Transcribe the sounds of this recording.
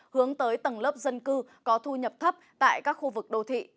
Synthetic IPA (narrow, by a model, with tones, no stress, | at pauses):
hɨ˨˦əŋt̪əː˨˦jt̪ə˨˩nləː˦˥p̚zə˧nkɨ˧kɔ˨˦t̪ʰu˧ɲə˨˩p̚t̪ʰə˦˥p̚t̪a̰ː˧˨jkaː˦˥k̚xu˧vɨ˨˩k̚ɗo˧t̪ʰḭ˧˨